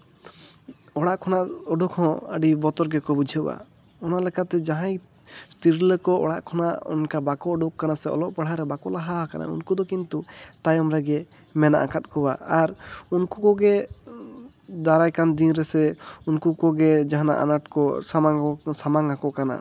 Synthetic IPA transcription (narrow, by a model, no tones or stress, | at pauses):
ɔɽaʔkʰɔnaʔɔɖukhɔ̃ə̰ɖibɔt̪ɔɾɡɛkɔbud͡ʒʱiba̰ | ɔnalɛkʰat̪ɛd͡ʒaɦãj | st̪iɾilɛkɔɔ̰ɽaʔkʰɔnaʔɔ̰nkabakɔɔɖukːanasɛɔ̰lɔʔpaɽ̤aɾɛbakɔlaɦaakana̰ṵnkud̪ɔkint̪ut̪ajɔmɾɛɡɛ | mɛna̰ʔa̰kat̪̚ˀkɔwaaɾunkukɔɡɛ | d̪aɾajkand̪inɾɛsɛunkukɔɡɛd͡ʒaɦana̰ʔa̰naʈkɔsamaŋsamaŋakɔʔkana̰